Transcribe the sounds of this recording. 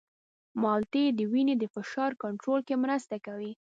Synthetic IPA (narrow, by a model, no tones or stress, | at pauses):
mɑlt̪ed̪əwined̪əfɪʃɑɾkaɳʈɾolkemɾəst̪akawi